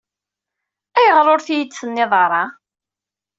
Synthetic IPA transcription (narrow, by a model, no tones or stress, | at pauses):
æjəʁɾoɾθijət͡sːənːɪðˤɑɾˤɑ